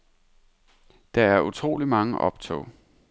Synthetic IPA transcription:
d̥ɑ̈æɐut͡sʰʁo̝̰ːlimɑ̈ŋəʔɒ̽b̥t͡sʰɔ̰ʊ̰

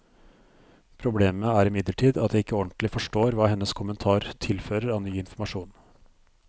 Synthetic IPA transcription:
pʰɾʊbleːməæɾɪmɪd̪ləʈʰiːd̪ɑt̪̚d̪ɛɪkːəɔnt̪lɪfɔʂʈoːɾʋɑːhɛnːəskʰʊmənt̪ʰɑːɾt̪ʰɪlføːɾəɾɑːʋnyːɪnfɔɾmɑʂuːn

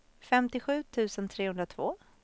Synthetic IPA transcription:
fɛmt̪ɪɧʉ̟ːt̪ʰʉ̟ːsənt̪ʰɾeːhɵnɾat̪ʰvoː

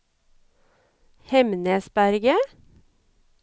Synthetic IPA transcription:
hɛmnəsbæɾɡə

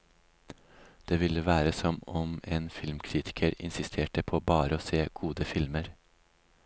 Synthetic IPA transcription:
d̪̥eːʋɪləʋæːɾəsɔmɔmeːnfɪlmkʰɾiːt̪ʰɪ̥kʰəɾɪ̰nsɪst̪ʰeːʈəpʰoːbɑːɾəoːseːɡ̥uːd̪əfɪlməɾ

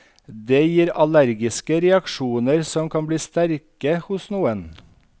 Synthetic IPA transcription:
d̪eːjiːɾɑlæɾɡɪskəɾɛɑkʃuːnəɾsɔmkʰɑnbliːst̪æɾkəhʊsnuːən

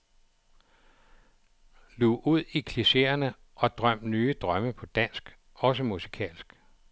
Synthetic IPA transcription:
luʔuð̞̰ˠikʰliɕe̝̰ɐnə | ʔɒ̽d̥ʁɶm̰d̥nyːəd̥ʁɶməpʰɒ̽d̥æn̰sɡ̥ | ɒ̽s̬əmusi̥kʰɛ̰ːlsɡ̥

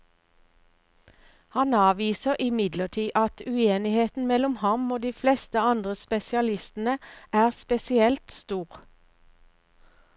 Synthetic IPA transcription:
hɑnɑːʋiːsəʁʔɪmɪd̪ləʈ̪ʰiːʔɑt̪ʰʉeːnɪheːt̪n̩mɛlʊmhɑmoːd̪iːflɛst̪əɑnd̪ʁəspɛsɪɑlɪst̪n̩əʔæːʁspɛsɪɛlt̪st̪uːʁ

